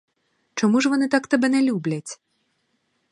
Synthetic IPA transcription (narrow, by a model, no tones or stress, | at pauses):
t͡ʂɔmuʐvanɨt̪akt̪ɐbɛnʲɛlʲublʲɐt͡sʲ